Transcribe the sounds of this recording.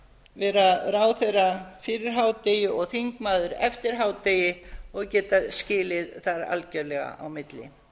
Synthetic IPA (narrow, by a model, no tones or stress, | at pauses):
vɛːɾaðraːwθejrːafɪɾɪɾ̥ɦaːwt̪eːjɪɔɣθiŋkmaːðʏɾɛ̰ft̪ɪɾ̥ɦaːwt̪eːjɪɔɣcɛːt̪ascɪːlɪðθaɾa̰lcœɾlɛɣa̰ʔawmɪt̪lɪ̰